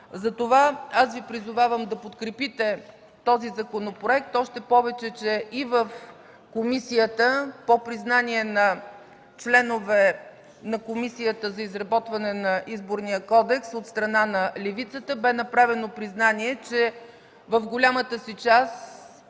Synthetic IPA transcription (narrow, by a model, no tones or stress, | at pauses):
zɐt̪ovaasvipɾizʊvavəmd̪ɐpot̪kɾɛpit̪ɛ | t̪ɔzizɐkonopɾoɛk̚t̪ɔʃt̪ɛpɔvɛt͡ʃɛt͡ʃɛʔivəf | komisijət̪əpopɾiznaniɛnɐ | t͡ʃlɛnovɛ | nɐkomisijət̪əzɐizɾɐbɔt̪vɐnɛnɐʔizboɾnijəkɔd̪ɛksot̪st̪ɾɐnanɐlɛvit̪sət̪əbɛnɐpɾavɛnopɾiznaniɛt͡ʃɛ | vəfɡolʲamət̪əsit͡ʃas